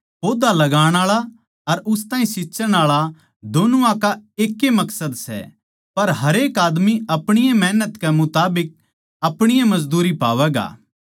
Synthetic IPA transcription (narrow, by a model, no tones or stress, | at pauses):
poːd̪alɐɡaːɽ̃aːɭa | ɐɾʊst̪aːĩsɪːsəɽ̃aːɭa | d̪oːnuakaeːkːemɐksəd̪sɛ̰ | pɐɾɦɐɾeːkaːd̪miɐpɽ̃ɪjãmɛɦnət̪kɛmʊt̪aːbɪk̚ | ɐpɽ̃ɪjãmɐzd̪uːɾipa̰ːʋɛːɡa̰ː